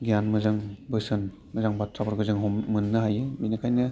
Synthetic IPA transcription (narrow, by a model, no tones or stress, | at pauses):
ɡijanmɯzɯŋbɯsɯn | mɯzaŋbatʰɾabɯɾɡɯzɯŋɦɔmmɯnːɯɦajɯminɯkʰajnɯ